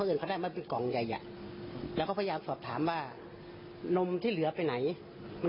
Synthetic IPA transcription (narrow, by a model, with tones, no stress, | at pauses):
ʔːnka˧daː˧˩jma˧˨pe˧nkɔː˨˩˦ŋja˨˩jʔa̰˨ | lɛː˧˦˥kʰa˧˥˩pʰːjaː˧msɔː˨˩p̚t̪ʰaː˩˦mwaː˧˩ | no˧mt̪ʰiː˥˩lɯ˨˩˦ɐ˦pa˧jna˩˦j | ma˧